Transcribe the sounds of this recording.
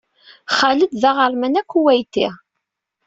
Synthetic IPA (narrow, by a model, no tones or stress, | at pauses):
χaləd̪ðaʁəɾˤmænækʷːuwæjt̪i